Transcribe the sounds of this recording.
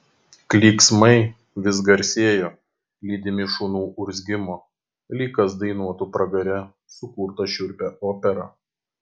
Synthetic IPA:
klʲiːksmɐɪ | ʋʲɪsɡɐɾʲsʲeːjoː | lʲiːd̪ʲɪmʲɪʃʊnuːʔʊɾʲzʲɡʲɪmoː | lʲiːkɐs̬d̪ɐɪnuɔt̪uːpɾɐɡɐɾʲɛ | sʊkuːɾt̪ɐʃʲʊɾʲpʲɛʔoːpʲɛɾɐ̰

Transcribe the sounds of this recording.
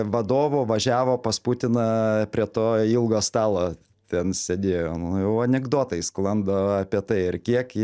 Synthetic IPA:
ʋɐd̪oːʋʊʋɐʒʲæːʋoːpɐsput̪ʲɪnɐpʲɾʲiɛt̪oːilˠɡoːst̪ɑːlˠoː | t̪ʲɛnsʲed̪ʲeːjoːnʊjɛʊɐnʲɛɡd̪oːt̪ɐɪsklˠɐnd̪ɐɐpʲiɛt̪ɐɪɪɾkʲiɛk

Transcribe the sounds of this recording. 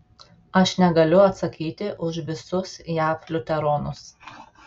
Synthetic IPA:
ɐʃnʲɛɡɐlʲʊɐt̪sɐkʲiːt̪ʲɪʔʊʃʋʲɪsʊsjæːflʲʊt̪ʲɛɾoːnʊs

